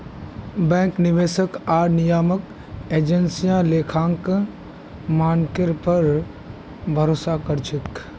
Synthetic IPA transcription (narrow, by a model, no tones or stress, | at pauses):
bɛ̃ːŋknɪʋeːsəkaːɾnɪjaːmək | eːd͡ʒənsijãleːkʰãːŋk | maːnkɪɾpəɾ | bʱəɾoːsakəɾt͡ʃʰɪk